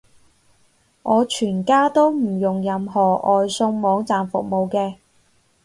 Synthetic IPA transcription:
ŋɔː˨˧t͡ʃʰyː˨˩nkaː˥t̪o˥wm̩˨˩jʊ˨˩ŋjɐ˨˧mhɔː˨˩ʔɔː˨jsʊ˧ŋmɔː˨˧ŋt͡saː˨mfʊ˨k̚mo˨˧wkɛː˧

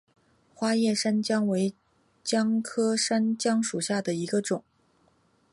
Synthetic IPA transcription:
xwa˥jɛ˥˩ʂa˥nt͡ɕjɑ˥ŋwe˧˥ɪ | t͡ɕjɑ˥ŋkʰɤ˥ʂa˥nt͡ɕjɑ˥ŋʂu˨˩ɕja˥˩d̪ə˩i˧˥ɡə˧ʈ͡ʂʊ˨˩˦

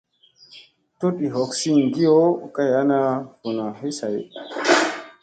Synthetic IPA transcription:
to˦ɗi˨ɦɔ˨ksi˦ŋɡi˦o˦ka˦ja˦na˦ku˨na˨ɦe˦sa˨j

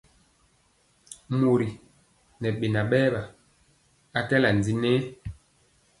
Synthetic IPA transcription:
mo˨ɾi˨ | nɛ˨ɓe˨na˨ɓɛː˦ɓa˨ | a˦kɛ˦la˨n˨d͡zi˦nɛ˦

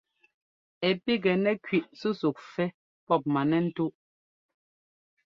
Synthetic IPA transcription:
ɛ˨pi˦ɡɛ˨nɛ˦kɥi˨ʔsu˦su˨k̚fɛ˦ | pɔ˦˨p̚ma˨nɛ˦n̩˦tu˦ʔ

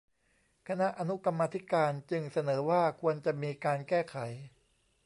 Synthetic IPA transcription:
kʰa˧na˦˥ʔa˧nu˦˥ka˧mːaː˧t̪ʰi˦˥kaː˧nt͡ɕɯ˧ŋsa˧nɤː˩˦waː˥˩kʰu˧ənt͡ɕa˨˩miː˧kaː˧nkɛː˥˩kʰa˩˦j

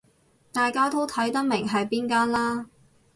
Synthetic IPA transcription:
t̪aː˨jkaː˥t̪o˥wt̪ʰɐ˨˥jt̪ɐ˥k̚mɪ˨˩ŋɦɐ˨jpiː˥nkaː˥nlaː˥

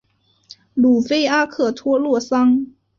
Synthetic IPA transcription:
lu˨˩fe˥ɪa˥kʰɤ˨˩t̪ʰwɔ˥lwɔ˥˩sɑ˥ŋ

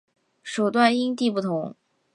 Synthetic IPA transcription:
ʂu˨˩t̪wa˥˩ni˥nt̪i˥˧pu˥˩t̪ʰʊ˧˥ŋ

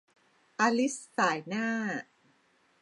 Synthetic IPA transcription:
ʔa˧li˦˥sːaː˨˩˦jnaː˥˩

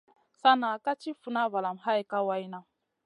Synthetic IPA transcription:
sa˦na˨ka˦t͡ʃi˦fu˨na˦va˨la˨mɦa˦ji˨ka˦wa˦jna˦

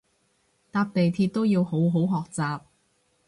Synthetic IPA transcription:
t̪aː˧p̚t̪e˨jt̪ʰiː˧t̚t̪o˥wjiː˧who˨˥wɦo˨˥wɦɔː˨k̚t͡saː˨p̚

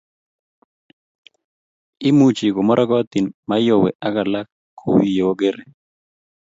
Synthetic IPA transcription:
i˦mut͡ʃi˨ɡo˨mɔ˦ɾʔɔ˦ɡɔ˦t̪ɪ˨nma˦jo˨wɛ̰˨ʔa˦ɡa˨la˦kʰːo̰˦wi˨je˨wo˦ɡe˦ɾe˨

